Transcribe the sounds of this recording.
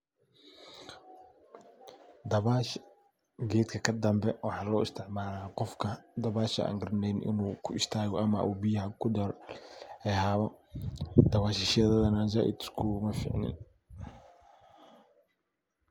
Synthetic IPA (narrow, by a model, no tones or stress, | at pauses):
d̪ɐβaʃ | ɡɛːt̪kʰɐkʰɐd̪ɐmbɛwɑħɑːlɔːɪst̪ʰɪʕmaːlaːqɔfkʰɐd̪ɐβaːʃɐ̰ʔa̰ːŋɡɐrnɛjnɪ̰nuːkʰʊɪst̪ʰaːɣɔʔɐmɐ̰ʔuːbijɐɦɐkʰʊd̪ɔɾɔhɛhaːβɔ | d̪̥ɐβaːʃɪʃɐðɐðɐnad͡ʒaːʔɪ̰d̪skʰumɐfḭːʕnɪ̰n